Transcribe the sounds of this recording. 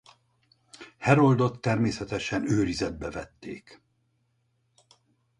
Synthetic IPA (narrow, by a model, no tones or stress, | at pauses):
hɛɾo̞ld̪o̞t̪ːɛrmeːsɛt̪ɛʃɛnøːɾizɛd̪̚bɛvɛt̪ːḛːk